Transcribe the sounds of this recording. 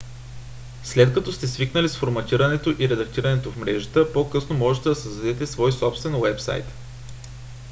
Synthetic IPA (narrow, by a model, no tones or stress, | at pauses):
slɛt̪kɐt̪ɔst̪ɛsviknəlisfoɾmɐt̪iɾənɛt̪oʔiɾɛd̪ɐkt̪iɾənɛt̪ofmɾɛʒət̪əpokɤsnomɔʒɛt̪ɛd̪ɐsəzd̪ɐd̪ɛt̪ɛsvɔjsɔpst̪vɛnwɛpsa̰jt̪